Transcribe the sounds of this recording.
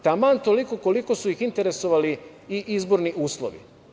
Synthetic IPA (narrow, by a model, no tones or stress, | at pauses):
t̪amant̪olikoko̞liko̞suixint̪e̞ɾe̞so̞ʋali | iʔizbo̞ɾniʔuːslˠo̰ʋḭ